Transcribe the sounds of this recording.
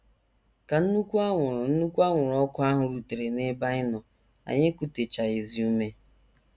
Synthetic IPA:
ka˨n̩˦nu˦kʷu˦a˦ʊ˨n̩˦nu˦kʷu˦a˦ŋʷʊ˨ɾɔ˦kʊ˦a˦ɦʊ˨ɾu˨te˨ɾe˨ne˦ba˦ɪ˦nɔ˨ | a̰˨ɲɪ˦ku˨te˨t͡ʃa˨ɪ˨zi˨u˦me˦

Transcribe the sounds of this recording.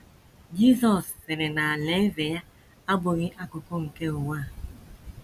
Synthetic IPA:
d͡ʒi˦sɔ˨ssɪ˨ɾɪ˨na˨a˨le˦ve˨ja˦ | a˦bʊ˨ɣɪ˦ʔa˦kʊ˨ko˦ŋ̩˨ke˦ʊ˨waː˦˨

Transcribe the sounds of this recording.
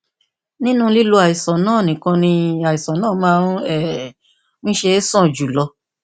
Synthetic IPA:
nĩ˦nũ˦li˦lo˧a˨i˨sɔ˨nãː˦˨nĩ˨kã˧nĩ˧a˨i˨sɔ̃˨nãː˦˨˦mãː˦ɛ˨ | mĩ˦ʃe˧˦sɔ̃˦˨d͡ʒu˨lɔ˧

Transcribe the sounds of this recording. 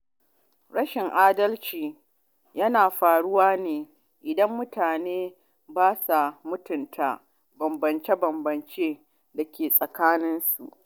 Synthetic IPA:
ɽɐ˦ʃɪ˨ŋʔaː˦dɐ˦lt͡ʃiː˨ | jɐ˦naː˨ɸaː˨ɽʊ˦waː˦neː˨ | ʔɪ˨dɐ˦mːʊ˦taː˨neː˦ | baː˦sa˨mʊ˦tʊ˨ntʰa˨ | bɐ˨mbɐ˨nt͡ʃe˦bɐ˨mbɐ˨nt͡ʃeː˦ | da˨kʲʰeː˨sʼɐ˨kaː˦nɪ˦nsu˨ʔ

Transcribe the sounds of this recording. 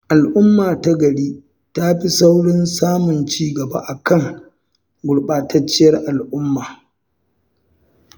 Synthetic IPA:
ʔa˨lʔʊ˦mːaː˨ta˦ɡɐ˨ɽiː˦ | ta˦ɸi˦sa˦wɽɪ˦nsaː˦mʊ˨nt͡ʃiː˦ɡɐ˨ba̰˦ʔa˨kɐ˦˨ŋ | ɡʷʊ˨ɽɓaː˨tɐ˦t͡ʃːɪ˦jɐ˦rʔa˨lʔʊ˦mːaː˨

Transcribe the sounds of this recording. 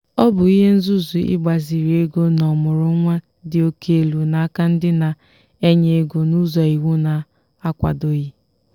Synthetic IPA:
ɔ˦bʊ˨i˦ɦe˦n̩˦zu˦zu˨ɪ̰˦ɡ͡ba˨zi˨ɾi˨e˦ɡo˦nɔ˨mʊ˨ɾʊ˦ŋʷa˦ | dɪ˨o˦ke˦e˨lu˨na˨a˦ka˦n̩˦dɪ˦na˨ | e˦ɲe˨e˦ɡo˨nu˦zɔ˨i˨ɣu˦na˨ | a˦kʷa̰˨do˦ɣi˦

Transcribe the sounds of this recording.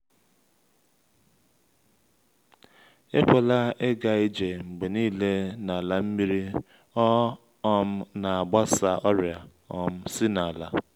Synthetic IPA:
e˦kʷa˨la˦e˦ɡa˨i˦d͡ʒe˨ŋ͡m̩˨ɡ͡be˨niː˦le˦na˨la˦m̩˦mi˦ɾi˦ | ɔ˦ | ɔ˦m̩˦na˨a˨ɡ͡ba˦sa˦ʔɔ˦ɾja˨ | ɔ˦m̩˦si˦na˨la̰˦

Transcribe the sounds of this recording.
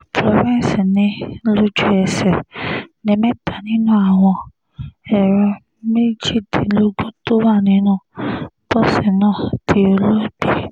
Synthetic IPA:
pʰɾɔ˨vĩ˦n˨si˨nɪ̃˨lo˦d͡ʒu˦ɛ˨sɛ˨nɛ̃˨mɛ̃˦ta˨nĩ˦nʊ̃˦˨a˨w̃ɔ̃˧ | ɛ˨ɾɔ˨ | me˦d͡ʒi˦˨de˨lo˦ɡo˦to˦ma˦˨nɪ̃˨˦nʊ̃˦˨bɔ˦˨si˨nɔ̃ː˦˨tʰi˨o˨lo˦bi˨

